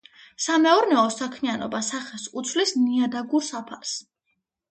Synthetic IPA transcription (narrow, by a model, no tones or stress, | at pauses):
samɛɔɾnɛɔsakʰmianɔ̰basaχɛsut̪sʰvlisniad̪aɡuɾsapʰaɾs